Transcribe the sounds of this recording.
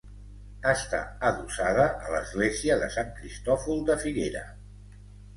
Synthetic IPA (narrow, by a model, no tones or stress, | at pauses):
əst̪a̰əðusaðəʔələzɣleziəðəsaŋkɾist̪ɔfulˠd̪əfiɣeɾə̰